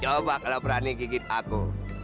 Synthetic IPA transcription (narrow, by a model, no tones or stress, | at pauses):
t͡ʃɔbakalopɾanikikit̪̚akṵ